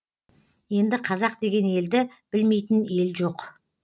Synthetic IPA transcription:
je̞nd̪ɪqʰɑzɑqd̪e̞ɡʲe̞ne̞ld̪ɪ | b̥ɪlme̞jt̪ɪne̞lʒo̞q

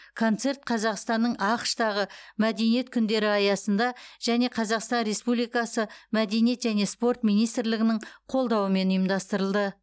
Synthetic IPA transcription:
kʰo̞nt̪se̞ɾt̪̚qʰɑzɑqst̪ɑnːəɴʔɑqʃt̪ɑʁəmæd̪e̞nije̞t̪̚kʲʰʏnd̪e̞ɾɪɑjɑsənd̪ɑʒ̥æne̞qʰɑzɑqst̪ɑnɾe̞spublijkɑsəmæd̪e̞nije̞t̪ʒæne̞spo̞rt̪mijnijst̪ɾlɪɡʲɪnɪɴqʰo̞lˠd̪ɑwəme̞nʊjəmd̪ɑst̪əɾəlˠd̪ə

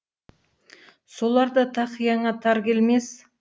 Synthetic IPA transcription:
so̞lˠɑɾd̪ɑt̪ʰɑqjɑɴɑt̪ʰɑɾkʲe̞lme̞s

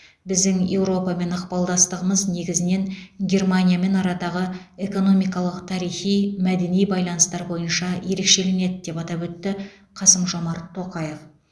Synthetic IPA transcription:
bɪzd̪ɪŋje̞wɾo̞pɑme̞nɑqpɑlˠd̪ɑst̪əʁəməzne̞ɡʲɪzɪne̞ŋɡʲe̞rmanʲijame̞nɑɾɑd̪ɑʁəe̞ko̞no̞mijkɑlˠəqt̪ʰɑɾijχijmæd̪e̞nijbɑjlˠɑnəst̪ɑɾbo̞jənʃɑje̞ɾe̞kʃe̞le̞ne̞d̪ɪd̪e̞pɑt̪ɑpwɵt̪ːɪ | qʰɑsəmʒo̞mɑɾt̪ʰːo̞qɑjəf

